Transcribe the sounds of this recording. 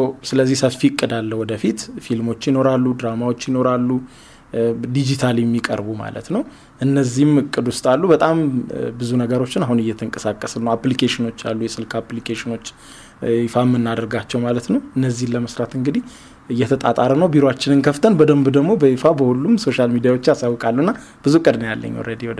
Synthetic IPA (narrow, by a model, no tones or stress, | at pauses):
əwsɨləzːihsəfiɨkʼːɨd̪alːəwɔd̪əfit̪filmo̞t͡ʃːjɪno̞ɾalːud̪ɾamawo̞t͡ʃːjɪno̞ɾalːu | d̪id͡ʒit̪ʰaljɛmːikʼə̰ɾbuma̰lə̰t̪nəw | ʔɨnːəzːihɪmɨkʼːɨd̪wʊst̪ʼalːubət̪ʼambɨzunəɡəɾo̞t͡ʃːɪnahunɨjːɛt̪ʰɨŋkʼə̥sakʼːəsɨlnəwaplikʰeʃɪno̞t͡ʃːja̰lːujɛsɨlkʰaplikʰeʃɪno̞t͡ʃː | ifamːɨnːad̪əɾɡat͡ʃːɛwmalət̪nəwɨnːəzːihnləməsɾat̪ɨŋɡɨd̪i | ɨjːɛt̪ʰət̪ʼat̪ʼaɾənəwbiɾoat͡ʃːɪnɨnkʰəft̪ʰənbəd̪əmbd̪əɡmo̞bəifabəhulːumso̞ʃalmid̪ijawot͡ʃːjasawːɔkʼalːuɨnːa | b̥ɨzukʼɨd̪nja̰lːə̰ɲ̰ːɾed̪ijod̪